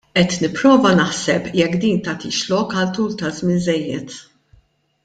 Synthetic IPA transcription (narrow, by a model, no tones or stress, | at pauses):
ʔɛt̪nɪpːɾɔːvɐnɐħsɛpjɛkːd̪iːnt̪ɐːt̪iːʃlɔkɐlt̪uːlt̪ɐzmɪnzɛjːɛt̪